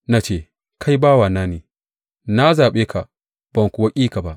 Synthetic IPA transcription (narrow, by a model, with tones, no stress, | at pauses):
na˦t͡ʃeː˦˨ | kʰa˦jbaː˦waː˨naː˦neː˨ | na˦zaː˨ɓeː˦ka˨ʔ | b̥ɐ˨ŋkʷu˨wa˦kʲʼiː˦ka˨ba˦ʔ